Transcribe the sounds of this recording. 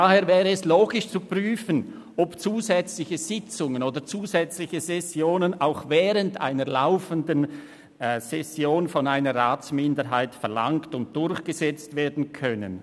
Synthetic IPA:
d̥aheːɐvɛːʁəɛsloːɡɪʃt͡supʁ̥yːfən | ɔpt͡suːzɛt͡slɪçəz̥ɪt͡sʊŋənoːdət͡suːzɛt͡slɪçəzɛsjoːnənaʊxvɛːʁənta̰ɪnəla̰ʊfəndən | sɛsjoːnfɔnaɪnəʁaːt͡smɪndəɾɦaɪtfɛɐla̰ŋktʊnt̚d̥ʊɾçɡ̥əzɛt͡stv̥ɛːɐdn̩kʰœnə̰n

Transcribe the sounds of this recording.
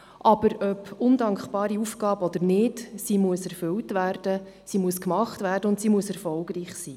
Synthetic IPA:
ʔɑb̥əɾœpʊndɑŋkχb̥ɑːɾiufɡ̥ɑːbɔd̪ənɪdsimuəsɛɾfʏltʋæːrd̥ə | simuəskmɑχtʋæːrdəʊntsiːmuəsɛɾfɔlɡriːχsiː

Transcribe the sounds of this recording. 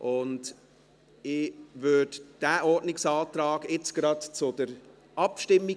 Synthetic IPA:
ʔʊnd | ɪvøːd̥d̥æːʔɔdnɪksɑːt̪ɾɑːɡet͡sɡ̥ɾɑdt͡sʊd̥əɾ | ʔɑpʃtɪmːi

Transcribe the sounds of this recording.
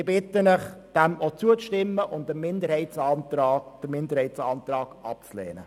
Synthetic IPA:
ɪbɪt̪ːənəχd̥ɛmot͡suət͡sʃtɪmːəʔʊnddəmɪnd̪əɾhɛɪtsɑːntɾɑːd̥əmɪnd̪əɾhɛɪtsɑnt̪ɾɑːɡɑpt͡slɛ̰ːnə̰

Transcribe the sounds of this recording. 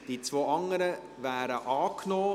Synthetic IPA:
d̥it͡svoːɑŋəɾə | væːɾəʔɑːknoː

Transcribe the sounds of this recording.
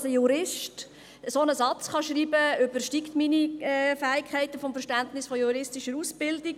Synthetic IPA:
səjuɾɪʃt | əsonəsɑt͡sχɑʃriːbəʏbərʃtiktminiɛfæːɪkʰɛɪtəfɔmfəɾʃtæntnɪsfɔjuɾɪstiʃəɾusb̥ɪldik

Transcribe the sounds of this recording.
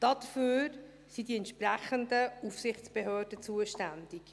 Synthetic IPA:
d̥ɑd̪əføːɾ | sidiɛntʃpræχəndəufsɪχtt͡sb̥ɛɦøːdət͡suəʃtænd̥ik

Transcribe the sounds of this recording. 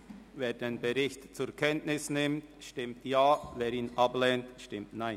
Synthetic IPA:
veːɾdenbɛɾɪçtt͡sʊkʰɛntnɪsnɪmtʃtɪmtjaːveːɾiːnʔɑblɛntʃtɪmtnaɪn

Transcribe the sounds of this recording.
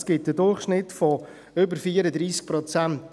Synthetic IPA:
sɡ̥ɪt̚d̥ədʊrχʃnɪtfɔ | ʏbəɾfiːəɾəd̪ɾiːsk̚pʰɾɔt͡sænt

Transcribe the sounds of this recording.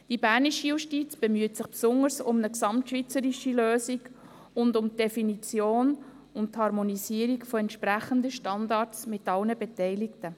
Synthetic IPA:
d̥ibæːɾniʃijuʃtit͡sb̥emyətsɪχpsʊŋəɾsʊmnəksɑmtʃʋit͡səɾiʃiløːsiɡ | ʊndʊmd̥efinit͡sjoːn | ʊntthɑɾmonisiəɾikfɔɛntʃpɾæχəndəʃtɑndɑːtsmɪtɑlnəbɛtɛɪlɪktə

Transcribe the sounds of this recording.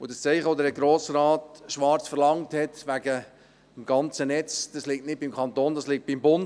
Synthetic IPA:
ʊd̥ɑst͡sɛɪχəʋod̪əɾəɡɾoːsɾɑːtʃʋɑɾt͡sfəɾlɑŋthɛtʋæɡə | mɡɑnt͡sənɛt͡sd̥ɑslik̚tnɪt̚bimkʰɑnt̪oːnd̥ɑslik̚t̚b̥imbʊn

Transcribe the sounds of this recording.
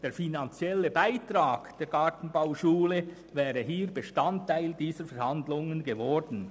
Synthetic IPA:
d̥eːfinant͡sjɛləbaɪtɾaːɡd̥eːɾɡ̥ɑːtn̩baʊʃuːlə | vɛːʁəɦiːɾbəʃtantʰːaɪldiːsəɾfɛɾhandlʊŋənɡevɔɹdn̩

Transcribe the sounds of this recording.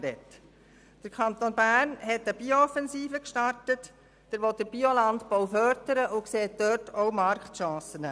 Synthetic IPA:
ɾɛ̰t | d̥əɾkʰχɑnt̪onbæːɾnɦɛtəb̥ioɔfɛnsiːfəkʃtɑrtət | d̥ɛɾʋɔt̚d̥əɾb̥iolɑntbowfœɾdəɾəʔʊkseːt̚døtʰoʊmɑɾktʃɑ̃ːsənɛ

